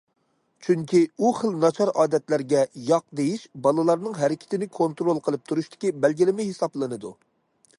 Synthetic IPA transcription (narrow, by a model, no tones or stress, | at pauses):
t͡ʃʰyŋkʲʰiuχəlˠnɑt͡ʃʰɑɾɑːd̪ɛt̪læɾɡʲɛjɑq̚d̪ejiʃbɑlˠɨlˠɑɾnɨŋɦɛɾɪkʲʰɪ̥t̪ʰɪnɪkʰont̪ɾolˠqʰəlˠɨp̚t̪ʰuɾuʃt̪ɪ̥kʲibɛlɡʲilɪmɪɦesɑblˠɨnɨd̪u